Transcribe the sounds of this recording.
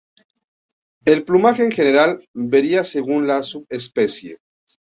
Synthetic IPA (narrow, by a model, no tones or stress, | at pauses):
e̞lplumaxeːŋxene̞ɾalbe̞ɾiase̞ɣunlasuβespe̞sjḛ